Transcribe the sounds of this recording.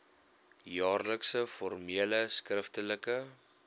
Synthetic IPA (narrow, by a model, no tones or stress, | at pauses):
jɑːrləksəfɔrmiələskrəftələkə